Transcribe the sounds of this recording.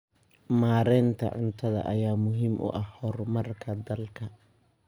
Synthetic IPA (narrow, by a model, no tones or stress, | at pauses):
maːɾɛːnt̪ʰɐ̰ʕʊ̰nt̪ʰɐðɐ̰ʔɐjaːmʊɦiːmʔʊ̰ʔɐhhɔrmɐrkʰɐd̪ɐlkʰɐ